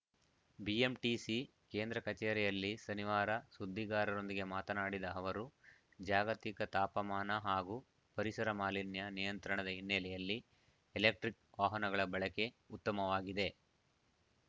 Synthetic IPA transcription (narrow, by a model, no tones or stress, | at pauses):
biemʈiːsi | ke̞ːnd̪ɾɐkɐt͡ʃɛːɾɛjɐlːisɐniʋaːɾɐsud̪ʱːiɡaːɾɐɾo̞nd̪iɡe̞maːt̪ɐnaːɽid̪ɐːʋɐɾu | d͡ʒaːɡɐt̪ikɐt̪aːpɐmaːnɐɦaːɡu | pɐɾisɐɾɐmaːlinjɐnijɐnt̪ɾɐɳɐd̪ɐɦinːelɛjɐlːi | elek̚ʈɾik̚ʋaːɦɐnɐɡɐɭɐbɐɭɐke̞ | ut̪ːɐmɐʋaːɡid̪e̞